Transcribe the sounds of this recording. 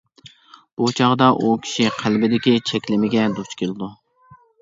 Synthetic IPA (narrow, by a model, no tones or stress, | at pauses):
b̥ut͡ʃʰɑʁd̪ɑʔukʲʰi̥ʃiqʰælbɪd̪ɪkʲit͡ʃʰɛkʲlɪmɪɡʲɛd̪ot͡ʃkʰʲelˠɪd̪u